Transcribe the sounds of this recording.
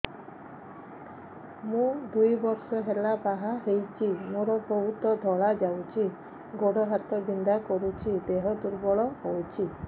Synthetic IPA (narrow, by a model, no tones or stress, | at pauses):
mũd̪ujbɔɾsɔɦelabaɦãɦejt͡ʃʰimoɾɔbɔɦut̪ɔd̪ʱɔɭad͡ʒawt͡ʃʰi | ɡoɽɔɦat̪ɔbind̪akɔɾut͡ʃʰid̪eɦɔd̪uɾbɔɭɔɦowt͡ʃʰi